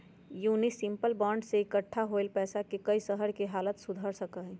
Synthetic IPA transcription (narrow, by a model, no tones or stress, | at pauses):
juːnisɪmpəlbãːɳɖseɪkəʈʰːaɦoelpɛːsakekəisəɦəɾkeɦaːlət̪sʊd̪ʱəɾsəkəɦɛ̃